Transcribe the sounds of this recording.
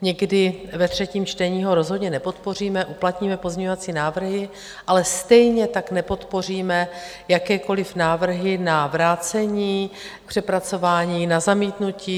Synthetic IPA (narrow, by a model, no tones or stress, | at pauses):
ɲɛɡdɪvɛt̪r̝̥ɛciːmt͡ʃt̪ɛɲiːɦo̞ɾo̞zɦodɲɛnɛpo̞t̪po̞r̝iːmɛʔuplat̪ɲiːmɛpo̞zɲɛɲoat͡siːnaːvr̩ɦɪ | ʔalɛst̪ɛjɲɛt̪aknɛpo̞t̪po̞r̝iːmɛ | jakɛːko̞lɪfnaːvr̩ɦɪnavɾaːt͡sɛɲiː | pr̝̥ɛpɾat͡so̞vaːɲiːnazamiːt̪nuciː